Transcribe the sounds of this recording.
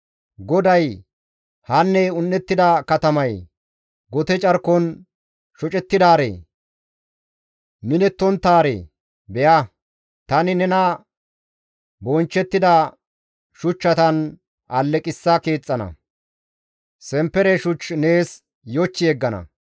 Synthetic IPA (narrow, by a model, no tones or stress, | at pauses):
ɡɔd̪ɐj | hɐnːɛʊnːɛt̪ːɪd̪ɐkɐt̪ɐmɐj | ɡɔt̪ɛt͡ʃʼɐɾkːɔn | ʃɔt͡ʃʼɛt̪ːɪd̪aːɾḛː | mɪnɛt̪ːɔnt̪ːaːɾḛː | bɛjɐ | t̪ɐnɪnɛnɐ | bɔnt͡ʃːɛt̪ːɪd̪ɐ | ʃʊt͡ʃːɐt̪ɐn | ʔɐlːɛkʼɪsːɐke̞ːt͡sʼːɐnɐ̰ | sɛmpːɛɾɛʃʊt͡ʃːne̞ːs | jɔt͡ʃːɪɛɡːɐnɐ̰